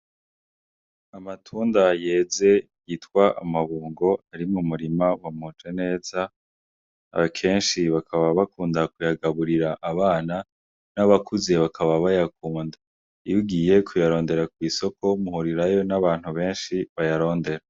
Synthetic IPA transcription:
amatʰuːndaje̞ːze̞ | jitkwaʔa̰maβuːŋɡo̞aɾimumuɾimawamut͡ʃwene̞ːz̥a | a̰βakʰe̞ːnʃiβakʰaβaβakuːndakujaɡaβuɾiɾaʔaβaːna | naβakuze̞βakʰaβaβajakuːnda | ijuɡiːje̞kʰujaɾo̞ːnde̞ɾak̚wiːso̞ko̞muhuɾiɾajo̞naβaːn̥huβe̞ːnʃiβajaɾo̞ːnde̞ɾa

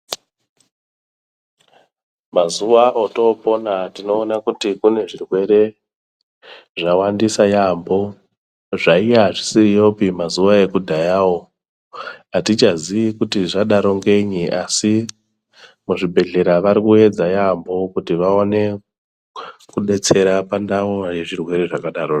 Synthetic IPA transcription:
mazuʋaʔoto̞po̞natino̞ːnakutikune̞ʐirwe̞ɾe̞ | ʐawandisajambo̞ | ʐaijaʐisirijo̞pimazuʋae̞kudʱajaːwo | atit͡ʃaziikutiʐaɗaɾo̞ŋɡe̞ɲiʔasi | muʐibʱe̞ɮe̞ɾaʋaɾikue̞d͡zajambo̞kutiʋaone̞ | kuɗe̞t͡se̞ɾapandawoje̞ʐirwe̞ɾe̞ʐakaɗaɾo

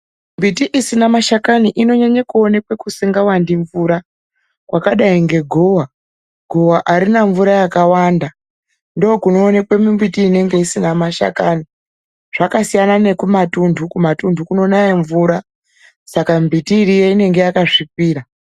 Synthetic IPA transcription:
mbitiʔisinamaʃakaniʔino̞ɲaɲekuo̞nekwe̞kusiŋɡawandiɱvuɾa | kwʔakaɗaiŋɡe̞ɡʱowa | ɡ̥ʱo̞waʔaɾinaɱvuɾajakawaːnda | ndoːkuno̞ːnekwe̞mimbitiːne̞ŋɡe̞isinamaʃa̰kani | ʐ̥akasijanane̞kumatundʱukumatundʱukuno̞najeɱvuːɾa | sakambitiːɾijeine̞ŋɡe̞jakaʐip̚iːɾa

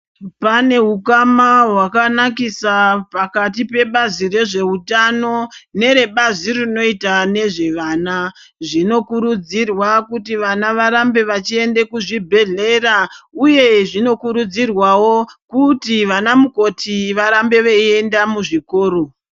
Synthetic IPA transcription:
pane̞ɦukamaɦwakanakisapakat̬ipe̞ɓazire̞ʐe̞utano̞ne̞ɾe̞ɓazirino̞itane̞ʐe̞ʋana | ʐino̞kuɾud͡zirwakutiʋanaʋaɾambe̞ʋat͡ʃie̞nde̞kuʐibʱe̞ɮe̞rauje̞ʐino̞kuɾud͡zirwawo̞kutiʋanamuko̞tʰiʋaɾambe̞ʋee̞ndamuʐiko̞ːɾo̞

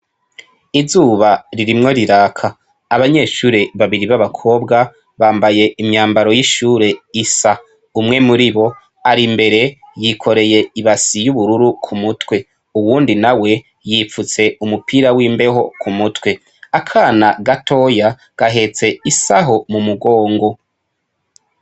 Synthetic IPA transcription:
izuːβaɾiɾimŋo̞ɾiɾaːkʰaː | βaɲe̞ːʃuːɾe̞βaβiɾiβaβakʰo̞ːbɡa | βaːmbaje̞imɲaːmbaɾo̞jiʃuːɾe̞isa | umŋe̞muɾiβo̞ | aɾimbe̞ɾe̞ | jikʰo̞ɾe̞je̞iβasijuβuɾuɾukʰumutwe | uwuːndinawe̞ | jiːfut͡se̞umupʰiːɾawiːmbe̞ho̞kʰumutwe̞ | akʰaːnaɡatʰo̞ːja | ɡ̥aɦe̞t͡se̞isaɦo̞mumuɡo̞ːŋɡo̞

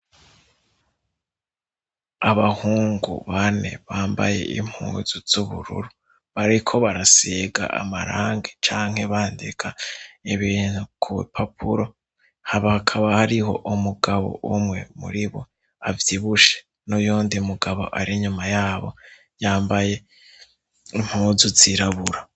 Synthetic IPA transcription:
aβahuːŋɡṵβane̞̰βaːmba̰je̞̰ʔḭm̥hṵːnz̥uz̥uβṵɾṵɾu | βaɾikʰo̞βaɾaseɡa̰ʔa̰maɾaːŋɡet͡ʃaːŋhe̞βaːndikʰaiβiːn̥hukʰṵpʰapʰuɾo̞ | haβakʰaβahaɾiɦo̞̰ʔumuɡaβo̰ʔumŋe̞mṵɾiβo̰ | avjiβuʃe̥ | nojoːndiumuɡaβo̞̰ʔaɾiɲumajaːβo̞̰ | jaːmbaje̞ | im̥huːzuziɾaβuɾa

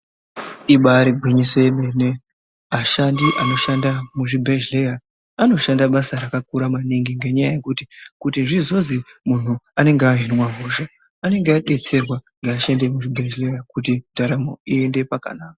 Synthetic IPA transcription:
iɓaːɾiɡʱwiɲise̞nene | aʃandiʔano̞ʃandamuʐibʱed͡ʒleja | ano̞ʃandaɓasaɾakak̚uɾamaniŋɡiŋɡe̞ɲajaje̞kuti̥kutinʐizo̞zimun̤uane̞ŋɡeaɦinimwaɦuʒa | ane̞ŋɡeaɗe̞t͡se̞rwaŋɡeːʃende̞muʐibʱed͡ʒlejakutidʱaɾamoiende̞paka̰naːka

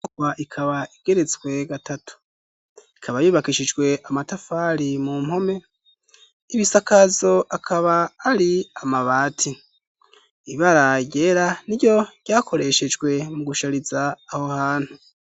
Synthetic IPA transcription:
kwaʔikʰaβaiɡ̥e̞ɾe̞t͡swe̞ɡatʰatʰu̥ | ikʰaβajuβakiʃid͡ʒɡwe̞ʔamatafaɾimum̥ho̞me̞ | iβisakazo̞ʔakʰaβaːɾiamaβaːtʰi | βaɾaɟe̞ːɾaniɟo̞ɟɟaːkʰo̞ɾe̞ʃe̞d͡ʒɡwe̞muɡuʃaɾizaːho̞haːn̥hu

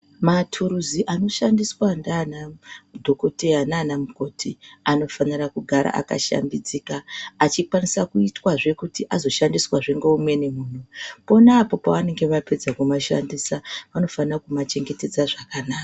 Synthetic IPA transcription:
matʰuɾuziʔano̞ʃandiswandanadʱo̞ko̞teananamuko̞tʰiano̞fanirakuɡʱaɾa̰ʔa̰ka̰ʃa̰mbid͡ziːkaːt͡ʃikwanisakuitwaʐe̞kutiʔazo̞ʃandiswaʐeŋɡeumwe̞ne̞muːn̤upo̞naːpo̞paʋane̞ŋɡe̞ʋaped͡zakumaʃa̰ndiːsaʋano̞fanirakumat͡ʃe̞ŋɡe̞ted͡zaʐakanaːka

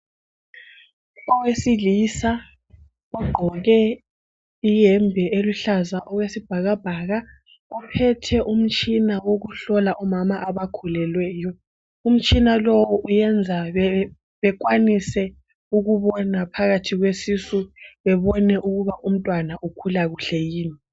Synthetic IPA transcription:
ɔwesilisa | uɡ͡ǃʱɔɣɛ | ijɛmbʱɛʔeluɬazaʔɔɣwesib̥ʱaɣab̥ʱaːɣa | upʰɛtʰɛʔum̩t͡ʃʼinawoɣuɬɔlaʔɔmamaʔaβakʰulɛlwɛːjɔ | um̩t͡ʃʼinalɔwɔʔujɛnd͡zʱaɛ | βɛk̬ʼwanisɛ | uɣuβɔnapʰaɣatʰiɣwesisuβɛβɔnɛʔuɣuβaʔum̩tʼwanaʔukʰulaɣuɬɛjiːni

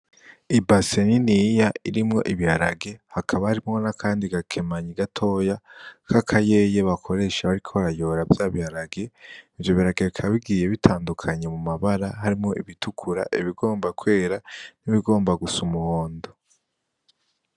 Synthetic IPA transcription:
ibaseninijaiɾimŋo̞̰ʔiβihaɾaɡe̞hakʰaβahaɾimŋo̞nakʰaːndiɡakʰe̞maɲiɡatʰo̞ːjakʰakʰaje̞je̞βakʰo̞ɾe̞ʃaβaɾikʰo̞βaɾajo̞ɾavjaːβihaɾaɡe̞ivjo̞βiaɾaɡekʰaβiɡiːje̞βitʰaːndukʰaɲe̞mumaβaɾaɦaɾimŋo̞ʔiβitukʰuɾa̰ʔiβiɡo̞ːmbakwe̞ːɾaniβiɡo̞ːmbaɡusumuhoːndo

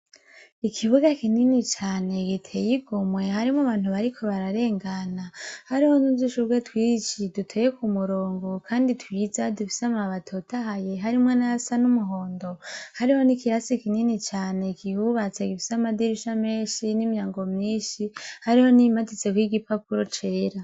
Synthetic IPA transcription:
ikʰiβuɡakininit͡ʃaːne̞ɡitʰe̞jiɡumwe̞haɾimaβaːn̥uβaɾikʰo̞βaɾaɾe̞ːŋɡanahaɾiho̞nuziʃuɡɡwetwiːt͡ʃidutʰejekumuɾoːŋɡo̞kʰaːnditwiːzadufi̥seamaβatʰotahaje̞ɦaɾimwenaasanumuɦo̞ːndo̞haɾiho̞nikiɾasikininit͡ʃaːne̞kʰihuβat͡saɡifi̥samadiɾiʃame̞ːʃinimjaːŋɡo̞mɲiːnʃihaɾiho̞nimatit͡se̞kwiɡipapuɾo̞t͡ʃe̞ːɾa

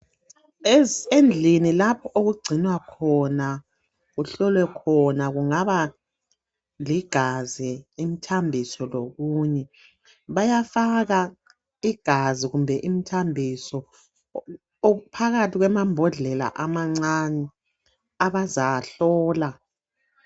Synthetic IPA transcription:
end͡ɮʱinilapʰɔʔoɣuɡ͡ǀʱinwakʰɔna | ɣuɬɔlwɛkʰɔnaɣuŋaβa | liɡ̥ʱazɛim̩tʰambʱisɔloɣuːɲɛ | βajafaɣa | iɡ̥ʱaziɣumbʱɛʔim̩tʰambʱisɔ | oupʰaɣatʰiɣwɛmambʱɔɮɛla̰ʔamaŋ͡ǀanɛ | aβazaɬɔːla

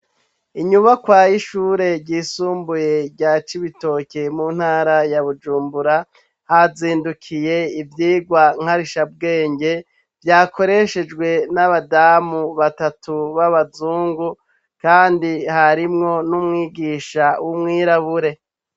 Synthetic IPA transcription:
iɲuβakwajiʃuːɾe̞ɟiːsuːmbuje̞ɟɟaːt͡ʃiβito̞ːcemun̥haːɾajaβud͡ʒuːmbuɾa | haziːndukʰije̞ivjiːɡwaŋ̥haɾiʃab̚ɡe̞ːɲɟe̞ | vjaːkʰo̞ɾe̞ʃe̞d͡ʒɡwe̞naβadaːmuβatatʰuβaβazuːŋɡu | kaːndihaɾimŋo̞numŋiːɡiːʃawumŋiːɾaβuɾe̞

